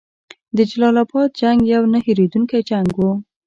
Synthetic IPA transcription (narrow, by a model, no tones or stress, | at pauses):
d̪əd͡ʒalɑlabɑt̪̚d͡ʒaŋɡjawnahiɾed̪uŋkajd͡ʒaŋɡwu